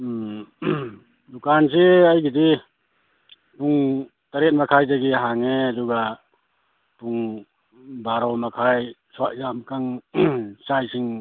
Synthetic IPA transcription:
dukanseajɡidi | puŋ | taɾet̚makʰajzaɡiɦaŋeaduɡa | puŋ | baɾɔmakʰajsɔwaʔzamkaŋ | sajsiŋ

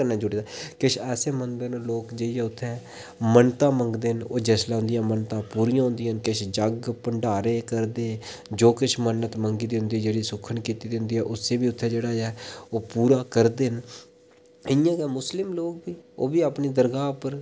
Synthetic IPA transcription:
əɾnãːd͡ʒʊɽiːd̪aːkɪʃʰɛːseːmənd̪əɾnũːloːkd͡ʒeːijɛːʊt̪ʰːɛ̃ː | mənt̪ãːməŋɡd̪eːnoːd͡ʒɛːslaːɦʊ̃nd̪ɪjãːmənt̪ãːpuːɾijãːɦʊ̃nd̪ɪjaːnkɪʃʰd͡ʒəɡpəɳɖaːɾeːkəɾd̪eː | d͡ʒoːkɪt͡ʃʰmənːət̪məŋɡiːd̪iɦʊ̃nd̪iːd͡ʒeːɽiːsʊkʰːənkiːt̪iːd̪ɪʊ̃nd̪iːɦɛːʔʊsːeːbiːʊt̪ʰːɛ̃ːd͡ʒeːɽaːɛːoːpuːɾaːkəɾd̪en | ɪjãːkɛːmʊslɪmloːk̚biːo̰ːbiːaːpniːd̪əɾɡaːʊpəɾ

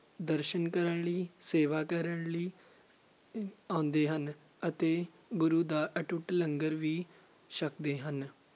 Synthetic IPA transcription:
d̪əɾʃənkəɾəɳliːseːʋaːkəɾəɳliː | ãːnd̪eːɦən | ət̪eː | bʊɾuːd̪aːʔəʈʊʈləŋɡəɾʋiː | ʃəkd̪eːɦən

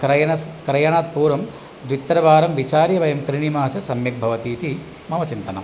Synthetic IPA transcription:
kɾɐjɐɐskɾɐjɐɳaːt̪̚puːɾʋɐm | d̪ʋit̪ːɾɐʋaːɾɐmʋit͡ʃaːɾjɐʋɐjɐmkɾiɳimaːt͡ʃɐsɐmjɐk̚bʱɐʋɐt̪iːt̪i | mɐmɐt͡ʃint̪ɐnɐ̰m

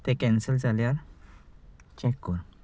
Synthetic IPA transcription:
t̪ekɛ̃nsəld͡zaljaɾ | t͡ɕɛkːɔɾ

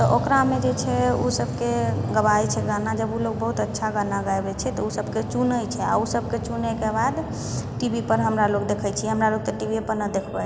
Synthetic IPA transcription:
t̪ɔʔokɾamed͡ʒet͡ʃʰɛusəbʱkeɡəbajt͡ʃʰɛɡanad͡ʒəbuloɡ̚bəɦut̪ətːʃʰaɡanaɡajbɛt͡ʃʰɛt̪ɔusəbʱket͡ʃunəjt͡ʃʰɛa̰usəb̚ʱket͡ʃunekebad̪ | ʈibipəɾɦəmɾalokd̪ekʰəjt͡ʃʰiɛɦəmɾalok̚t̪ɔʈibʱiepəɾnəd̪ekʰba

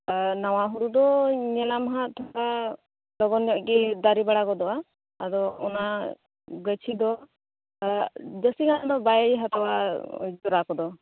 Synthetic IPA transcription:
nawaɦuɾud̪ɔɲɛnamɦat̪ʰɔɽa | lɔɡɔnɔkid̪aɾibaɽakɔd̪ɔaː | dɔɔna | ɡət͡ʃʰid̪ɔ | d͡ʒəsikand̪ɔbajɦat̪ɔwad͡ʒɔɾakɔd̪ɔ

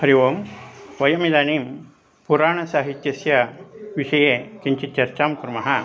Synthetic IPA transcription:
hɐɾiʋoːmʋɐjɐmid̪aːniːm | puɾaːɳɐsaːɦit̪jɐsjɐʋiʂɐjeːkiɲt͡ʃit͡ʃɐɾt͡ʃaːmkuɾmɐɦɐ

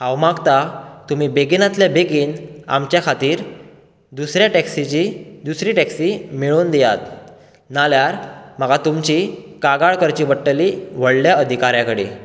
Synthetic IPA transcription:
ɦawmaɡt̪at̪umibeɡinat̪labeɡiːna̰mt͡ɕjakʰat̪iːɾ | d̪usɾjaʈɛksit͡ɕid̪usɾiːʈɛksiːmiɭuːnd̪ɛjat̪ | naljaɾməɡat̪umt͡ɕikaɡaɭkəɾt͡ɕiːʋəʈːəliʋ̤əɽljaəd̪ʱikaɾjãkəɽḭ

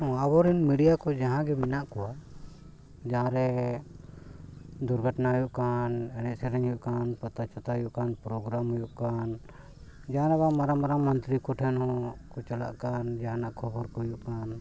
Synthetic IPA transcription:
ɔ̃abɔɾinmiɖijakɔd͡ʒaɦãɡɛminaʔkɔwa | d͡ʒaɦãɾɛ | d̪uɾɡʱəʈnaɦujuʔkanɛnɛʔsɛɾɛɲɦujuʔkanpat̪at͡ʃɔt̪aɦujuʔkanpɾɔɡɾamɦujuʔkan | d͡ʒaɦãɾɛbamaɾamaɾamənt̪ɾikɔʈʰɛnhɔ̃kɔt͡ʃala̰ʔkand͡ʒaɦãnaʔkʰɔbɔɾkɔɦujuʔkan

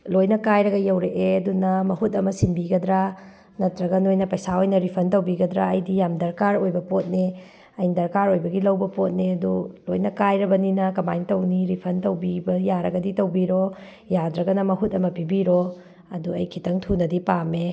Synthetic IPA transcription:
lojnɐkajɾɐɡɐjɐwɾeʔeɐdunɐmɐhutɐmɐsinbiɡɐdɾa | nɐtɾɐɡɐnojnɐpɐjsaojnɐɾipʰɐntɐwbiɡɐdɾa̰ɐjdijamdɐɾkaɾojbɐpot̚ne | ɐjndɐɾkaɾojbɐɡilɐwbɐpot̚neɐdulojnɐkajɾɐbɐninɐkɐmajntɐwniɾipʰɐntɐwbibɐjaɾɐɡɐditɐwbiɾo | jadɾɐɡɐnɐmɐɦutɐmɐpibiɾo | ɐduɐjkʰitɐŋtʰunɐdipame

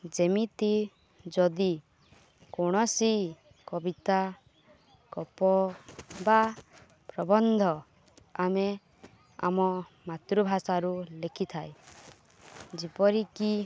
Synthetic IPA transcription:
d͡ʒemit̪i | d͡ʒɔd̪i | koɽ̃ɔsi | kɔbit̪a | kɔpɔba | pɾɔbɔnd̪ʱɔ | ame | a̰mɔmat̪ɾubʱasaɾulekʰit̪ʰaj | d͡ʒipɔɾiki

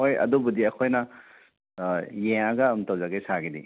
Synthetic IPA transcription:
hojɐ̰dubudiɐkʰojnɐ | jeŋaɡɐːmtɐwzaɡɐjsaɡidḭ

